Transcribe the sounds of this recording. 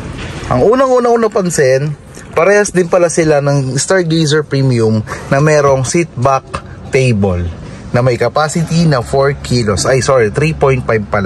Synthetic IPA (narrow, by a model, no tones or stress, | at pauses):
ʔɐŋʔuːnɐŋʔuːnɐŋʔuːnɐpɐnsɛn | pɐɾɛːhɐsd̪ɪnpɐlasɪlanɐŋst̪aɹɡejsɛɹpɹimjumnɐmɛːɾo̞ŋsit̪̚bak̚ | t̪ejbol | nɐmɐjkɐpaːsɪt̪inɐfoɹkʰilosʔɐjsoɹit̪ɾipojnt̪̚pajb̚pɐla